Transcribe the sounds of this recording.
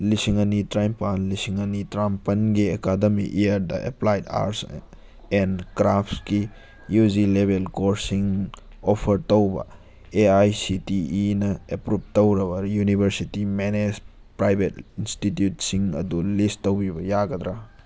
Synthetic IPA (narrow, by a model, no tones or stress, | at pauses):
lisiŋɐnitɾajmpanlisiŋɐnitɾampɐnɡiekademiʔejɐɾdɐ̰ʔḛplajda̰ɾs | enkɾapʰski | jud͡ʒilebʱelkoɾsiŋ | opʰɐɾtɐwbɐ̰ | eajsitiːnɐepɾup̚tɐwɾɐbɐjunibʱɐɾsitimened͡ʒ | pɾajbʱetinstitjutsiŋɐ̰dulistːɐwbibɐjaɡɐd̪ɾa